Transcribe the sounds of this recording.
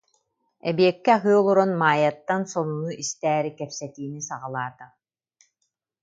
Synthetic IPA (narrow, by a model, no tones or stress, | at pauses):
ɛ̰bijɛkːiaɦɯɔlˠuɾɔnmaːjat̪ːansɔnunuʔist̪æːɾikɛpsɛt̪iːnisaʁalˠaːt̪a